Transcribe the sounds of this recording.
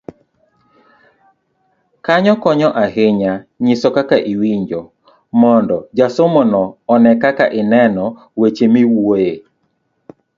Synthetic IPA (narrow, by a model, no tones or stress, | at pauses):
kaɲɔkɔɲɔʔaɦɪɲaɲisɔkakaʔiwiɲd͡ʒɔ | mɔndɔd͡ʒasomɔnɔːnɛkakaʔɪnɛnɔ | wet͡ʃemiwuoe